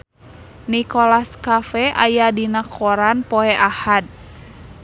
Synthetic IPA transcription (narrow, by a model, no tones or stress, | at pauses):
nikɔlaskafɛʔajadinakʰɔɾanpɔɛʔahad̪̚